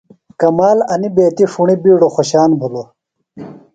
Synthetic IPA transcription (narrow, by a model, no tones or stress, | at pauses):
kɐmaːlɐnibeːt̪iʂuɳibiːɽoxoɕaːnbʱulo